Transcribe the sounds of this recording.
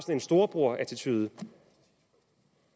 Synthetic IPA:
sn̩əe̝nsd̥o̝ɐb̥ʁo̝ɐ̰ʔæɐt͡sʰit͡sʰyðˠə

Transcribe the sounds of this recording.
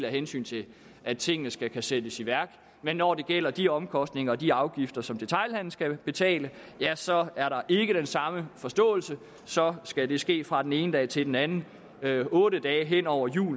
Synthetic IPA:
læɦensy̰ːnt͡sʰe̝ | æt͡sʰe̝ŋ̰ənəsɡ̥ækʰæsed̥əsiʋæɐɡ̥ | menːɒd̥e̝ɡ̥el̰ɐd̥iɒ̽mkʰɒ̽sd̥ne̝ŋɐːd̥iɑ̈ʊɡ̥ifd̥ɐsɒ̽md̥e̝t͡sʰɑ̈ɪlhæn̰l̩sɡ̥æb̥e̝t͡sʰɛ̰ːlə | jæsɒ̽æɐɾɑ̈ʔe̝ɡ̥əd̥ensɑ̈məfɒ̽sd̥ɔ̰̽ːl̩sə | sɒ̽sɡ̥æd̥e̝sɡ̥e̝̰ːfʁɑ̈d̥ene̝ːnəd̥ɛːt͡sʰe̝ld̥enænn̩ | ɔ̽ːɾəd̥ɛːɦen̰ɒʊ̰ɐjṵː

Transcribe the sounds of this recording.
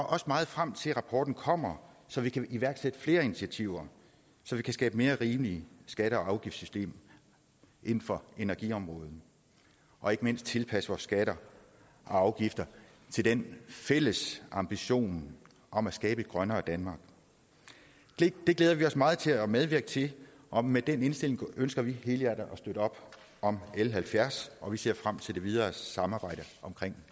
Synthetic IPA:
ɒʔɒ̽smɑ̈ːð̞̩ˠfʁam̰t͡sʰe̝lʁɑ̈pʰɒ̰ːd̥n̩kʰɒ̽m̰ɐ | sɒ̽ʋikʰæʔiʋæɐɡ̥sed̥əfle̝ːɐinit͡sʰiæt͡sʰiʊ̰ɐ | sɒ̽ʋikʰæsɡ̥ɛːb̥əme̝ːɐʁiːmliəsɡ̥æɾ̥əɒ̽ɑ̈ʊɡ̥ifd̥sysd̥e̝̰ːm | ʔe̝nn̩fɒ̽e̝næɐɡ̥iɒ̽mʁɔ̽ːð̞̩ˠ | ʔɒ̽e̝ɡ̥əme̝n̰sd̥̚t͡sʰe̝lpʰæsəʋɒ̰ːsːɡ̥æɾ̥ɐ | ʔɒ̽ɑ̈ʊɡ̥ifd̥ɐ | t͡sʰe̝ld̥enfel̰əsɑ̈mb̥iɕo̝̰ːn | ʔɒ̽mæsɡ̥ɛːb̥ə̥ɡ̥ʁɶnɐːd̥ænmɑ̈ːɡ̥ | d̥e̝ɡ̥leːðˠɐʋiɒ̽smɑ̈ːð̞̩ˠt͡sʰe̝læmeð̞ˠʋiɐɡ̥ət͡sʰe̝ | ʔɒ̽med̥ene̝nsd̥e̝le̝ŋʔønsɡ̥ɐʋihe̝ːləæd̥ɐʔɒsd̥øɾəɒ̽b̥ | ɒ̽melɦælfjæɐsɒ̽ʋise̝ɐ̰fʁam̰t͡sʰe̝ld̥e̝ʋið̞ˠɐːsɑ̈mɑ̈ːb̥ɑ̈ɪ̰ɾəʔɒ̽mkʰʁeŋ̰

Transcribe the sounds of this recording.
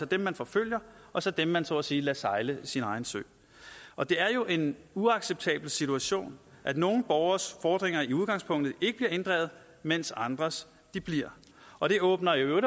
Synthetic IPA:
ɒ̽d̥emːænfɒ̽føl̰jɐʔɒ̽sɒ̽d̥emːænt͡sʰo̝ɐ̰siːlæsɑ̈ɪləsinɑ̈ɪn̩sø̰ː | ʔɒ̽d̥e̝æɐjo̝ʔe̝nuɑ̈ɡ̥seb̥̚t͡sʰɛ̰ːb̥l̩sit͡sʰuæɕo̝̰ːnʔæd̥no̝ːn̩b̥ɒʊɐsfɒːd̥ʁeŋ̰ɐiuð̞ˠɡ̥ɑ̈ŋspʰɔ̽ŋ̰d̥ð̩ˠe̝ɡ̥əb̥liɐe̝nd̥ʁɛ̰ːð̩ˠ | men̰sɑ̈nd̥ʁɐs | d̥ib̥liɐ̰ | ʔɒ̽ɾ̥e̝ʔɔ̽ːb̥nɐjoøʊɾ

